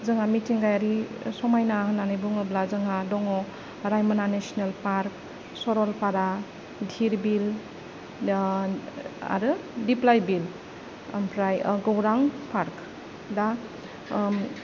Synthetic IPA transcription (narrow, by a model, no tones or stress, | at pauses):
zɯŋamitiŋɡajaɾisɔmajnaɦɯnanijbuŋɯblazɯŋadɔŋɔ | ɾajmananesinelpaɾk̚ | sɔɾɔlpaɾa | dʱiɾbil | a̰ɾɯdiplajbil̰ | mpʰɾajɡɔwɾaŋpʰaɾk | da